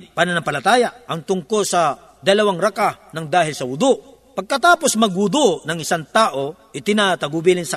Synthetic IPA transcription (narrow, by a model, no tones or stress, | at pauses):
pananɐŋpɐlɐt̪aːjaʔɐŋt̪ʊŋkolsɐ | d̪ɐlɐwaŋɾɐkanɐŋd̪aːɦɪlsɐhʊd̪o | pɐɡ̚kɐt̪aːposmɐɡ̚hʊd̪onɐŋɪsaŋt̪aːʔo̞ʔɪt̪ɪnat̪ɐɡʊbiːlɪnsɐ